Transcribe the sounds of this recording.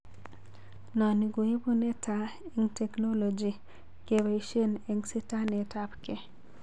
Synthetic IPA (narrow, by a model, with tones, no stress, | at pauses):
nɔ˨ni˨ɡo˨e˦bo˦ne˦tʰae˦ŋtɛ˨kno˦lo˨d͡ʒi˨ | ke˨weʃe˦ne˨ŋsi˦ta˦ne˨tapke˨